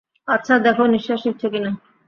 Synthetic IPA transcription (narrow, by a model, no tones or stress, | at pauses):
atːɕʰad̪ɛkʰoniʃːaʃik̚t͡ɕʰokina